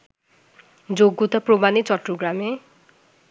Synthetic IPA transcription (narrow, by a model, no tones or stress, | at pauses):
d͡zoɡːut̪ʰʌpromanit͡sʌʈruɡɾame